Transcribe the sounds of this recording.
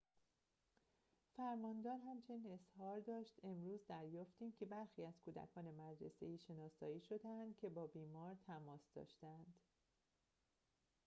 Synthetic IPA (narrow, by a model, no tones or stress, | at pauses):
fæɾmɒːnd̪ɒːɾɦæmt͡ʃʰe̞niːne̞shɒːɾd̪ɒːʃt̪e̞mɾuːzd̪æɾjɒːft̪iːmcʰe̞bæɾxiːæz̥kʰuːd̪æ̰kʰɒːne̞mæd̪ɾḛsḛiːʃe̞nɒːsɒːiːʃo̞d̪eænd̪̥̚cʰe̞bɒːbiːmɒːɾt̪ʰæmɒːsd̪ɒ̰ːʃt̪æænd̪̥